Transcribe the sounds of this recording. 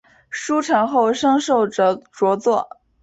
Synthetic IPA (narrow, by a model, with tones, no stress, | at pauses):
ʂu˥ʈ͡ʂʰɤ˧˥ŋxo˥˩ʊʂɤ˥ŋʂo˥˩ʊʈ͡ʂə˩ʈ͡ʂwɔ˧˥t͡swɔ˥˩